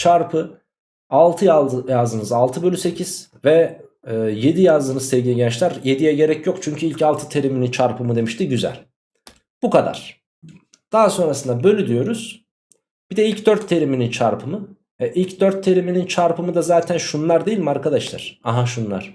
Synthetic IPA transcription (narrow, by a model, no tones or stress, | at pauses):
t͡ʃʰaɾpʰɯ | alˠt̪ʰɯjajazd̪ɯnɯzalˠt̪ʰɯbø̞lʲysecʰiz̥ | vɛ | je̞d̪ijazd̪ɯnɯzsɛvɟiniɟɛt͡ʃlʲæɾje̞d̪ijɛɟe̞ɾɛcʰjo̞kt͡ʃʰyɲcʰyilʲcalˠt̪ʰɯ̥t̪ʰe̞ɾiminint͡ʃʰaɾpʰɯmɯd̪e̞miʃt̪iɟyzæ̰lʲ | b̥ukʰad̪a̰ɾ̥ | d̪̥aɦaso̞nɾasɯnd̪abø̞lʲyd̪ijo̞ɾuz̥ | b̥id̪ɛilʲcd̪øɾt̪ʰːe̞ɾiminint͡ʃʰaɾpʰɯmɯ | ɛʔilʲcd̪øɾt̪ʰːe̞ɾiminint͡ʃʰaɾpʰɯmɯd̪azaːt̪ʰænʃunlˠaɾd̪ejilʲmaɾkad̪aʃlˠa̰ɾ̥aɦaʃunlˠa̰ɾ̥